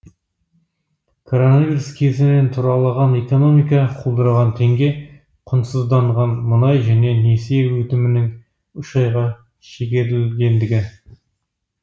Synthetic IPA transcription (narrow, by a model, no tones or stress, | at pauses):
kʰo̞ɾo̞navijɾuskʲʰe̞zɪne̞nt̪ʰʊɾɑlˠɑʁɑneko̞no̞mijkɑqʰulˠd̪əɾəʁɑnt̪ʰe̞ŋɡʲe̞ | qʰʊnsəzd̪ɑɴʁɑnmʊnɑjʒæne̞neseewɵt̪ɪmɪnɪŋ | ʏʃɑjʁɑ | ʃekʲeɾɪlɡʲe̞nd̪ɪɡʲɪ